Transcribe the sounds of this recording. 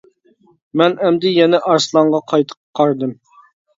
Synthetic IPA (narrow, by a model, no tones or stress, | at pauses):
mɛnɛmd̪ɪjɛnɛʔɑɾslˠɑɴʁɑqʰɑjt̪ʰə̥qqʰːɑɾd̪ɨm